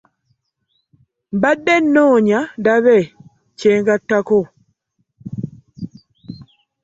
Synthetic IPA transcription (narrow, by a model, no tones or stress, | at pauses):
mbadːenːoːɲandaβe | ceːŋɡatːako